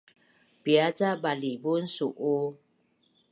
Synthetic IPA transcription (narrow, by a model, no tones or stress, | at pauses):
b̥iad͡ʒabalibun̩suʔo